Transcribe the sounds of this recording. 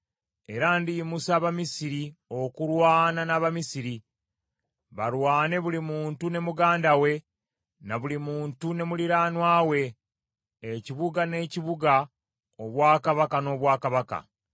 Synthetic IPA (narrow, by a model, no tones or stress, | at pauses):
e̞ɾandimusaːβamisiɾio̞kuɾwaːnanaβamisiɾi | βalwaːne̞βulimuːntune̞muɡaːndawe̞ | naβulimuːntune̞muliɾaːnwaːwe̞ː | ciβuɡane̞ːciβuɡa | oβwaːkaβakano̞ːβwaːkaβaka̰